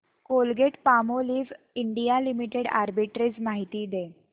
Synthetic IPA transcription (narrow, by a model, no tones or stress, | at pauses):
kolɡeʈpamoliːʋ | iɳɖijalimiʈeɽa̰ɾbiʈɾed͡zmaɦit̪iːd̪e